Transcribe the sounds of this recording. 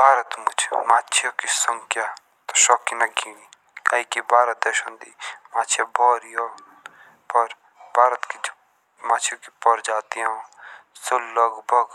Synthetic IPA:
bʱaːɾət̪mʊt͡ʃʰmaːtːt͡ʃʰijoːkisəŋkʰja | t̪oʃɔːkinɐkiːni | kaːikibʱaːɾət̪ɛʃõnd̪iːmaːt͡ʃʰjabʱɔːɾijoː | pɐɾ | bʱaːɾət̪ki | maːt͡ʃʰjoːki̥pəɾd͡ʒaːt̪ijõsolːɐɡbʱəɡ

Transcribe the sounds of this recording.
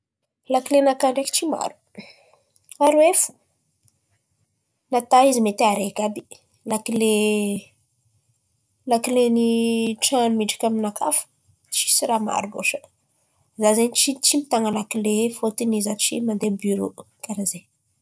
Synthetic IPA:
lakilenakaɳɖ͡ʐaki̥t͡ʃima̰ɾu̥ | aɾuefu̥ | nat̪aizimet̪eaɾekabi̥ | lakile | lakileniʈ͡ʂanmiɖ͡ʐḁkʲaminakʰafə̥ | t͡ʃi̥siɾama̰ɾubo̰ʃə̥ | zazenit͡ʃit͡ʃimit̪aŋəlakilefot̪inizat͡ʃimand̪ebyɾo̰ | kaɾaze

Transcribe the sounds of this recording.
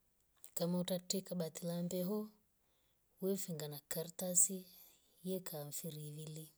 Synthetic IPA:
kamautatɛkaɓat̪ilambɛɦɔ | wɛfiŋɡanakartasi | jɛkʰaɱfiɾiβili

